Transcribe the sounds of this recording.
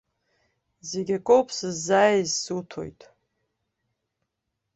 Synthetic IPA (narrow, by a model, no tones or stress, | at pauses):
zeɡʲakʼowpʼsɨzːaːjizsutʰo̰jtʼ